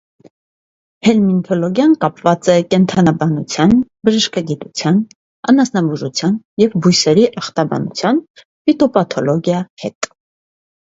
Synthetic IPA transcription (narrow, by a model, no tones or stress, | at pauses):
hɛlmint̪ʰɔlɔɡjɑnkɑpvɑt͡sɛkɛnt̪ʰɑnɑbɑnut͡sʰjɑnbəʒəʃkɑɡit̪ut͡sʰjɑn | ɑ̰nɑsnɑbuʒut͡sʰjɑn | jɛvbujsɛɾiʔɑχt̪ɑbɑ̰nut͡sʰjɑn | fit̪ɔpɑt̪ʰɔlɔɡjɑhɛt̪